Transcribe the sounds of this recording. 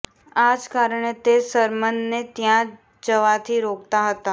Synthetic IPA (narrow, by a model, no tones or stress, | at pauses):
ad͡ʒkaɾəɳet̪esəɾmənːet̪jã | d͡ʒəʋat̪ʰiɾokt̪aɦət̪a